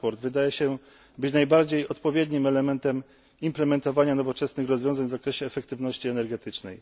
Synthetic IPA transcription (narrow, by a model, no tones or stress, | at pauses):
pɔɾd̪vɘd̪ajɛɕɛ | bɘt͡ɕnajbaɾd͡ʑejɔt̪pɔvʲjed̪ɲimɛlɛmɛnt̪ɛm | implɛmɛnt̪ɔvaɲanɔvɔt͡ʂɛsnɘxɾɔzvʲjɔ̃zaɲʲvzakɾɛɕɛːfɛkt̪ɘvnɔɕt͡ɕiɛnɛɾɡɛt̪ɘt͡ʂnɛ̰j